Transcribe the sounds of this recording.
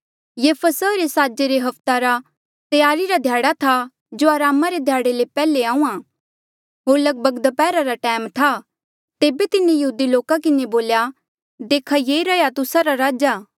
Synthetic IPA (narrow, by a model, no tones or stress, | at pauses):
jefʰəsəɾesaːd͡ʒeɾeɦɐpʰt̪aɾa | t̪jaːɾiɾad̪ʱjaːɽat̪ʰa | d͡ʒoaːɾaːmaɾed̪ʱjaːɽelepɛːleaːũãː | ɦoːɾlɐɡ̚bəɡd̪pɛːɾaɾaʈɛːmt̪ʰa | t̪eːbet̪ɪnejɐɦuːd̪iloːkakɪneboːlja | d̪eːkʰajeːɾɐjat̪ʊsaɾaɾaːd͡ʒaː